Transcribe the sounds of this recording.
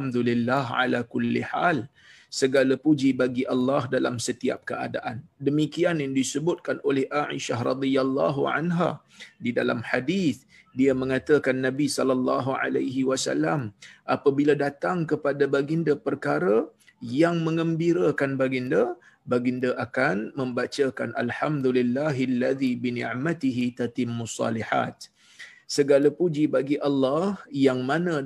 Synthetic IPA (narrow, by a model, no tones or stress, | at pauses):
md̪ulilːaɦʕa̰lakʊlːḭħal | səɡalapud͡ʒibaɡiʔɑlːɑɦdala̰msət̪ia̰p̚kəʔa̰daʔandəmikianjaŋdisəbʊt̪̚kanolɛhʔaʕḭʃaɦrɑ̰d̪ialːɑɦuʕa̰nɦa̰ | dida̰la̰mħadiθ | diamə̃ŋat̪əkanːãbisɔlalːɑɦuʕa̰lajɦiwasa̰lamʔapabiladat̪aŋkəpadabaɡindəpərkaɾə | jaŋmə̃ŋəmbiɾəkanbaɡində | baɡindəʔakanmə̃mbat͡ʃaka̰nʔa̰lħamd̪ulilːaɦlːaðibinḭ̃ʕmat̪iɦit̪at̪ɪmːusːɑ̰liħa̰t̪̚ | səɡalapud͡ʒibaɡiʔɑlːɑhjaŋmanə̃